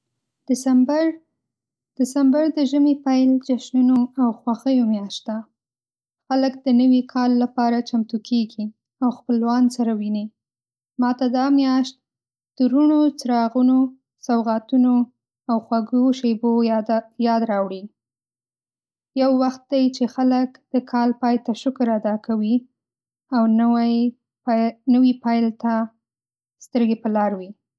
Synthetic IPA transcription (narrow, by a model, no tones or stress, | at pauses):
d̪̥ɪsambɾ | d̪̥ɪsambaɾd̪əʒəmiepajld͡ʒaʃnunoawxwaxəjomjɑʃt̪̚d̪a | xaləkd̪̥ənəwikʰɑlːapɑɾat͡ʃamt̪ukʰeɡi | awxpəlwɑnsaɾawini | mɑt̪ad̪ɑmjɑʃt̪̚ | d̪̥əɾuɳot͡sɾɑɣuno | sawɣɑt̪uno | awxwaɡoʃebojɑd̪ɾɑwɽi | jawːaxt̪̚d̪ajt͡ʃexaləkd̪̥əkʰɑlpɑjt̪aʃʊkɾad̪ɑkʰawi | aw | nəwipɑjlt̪a | st̪əɾɡepəlɑɾwi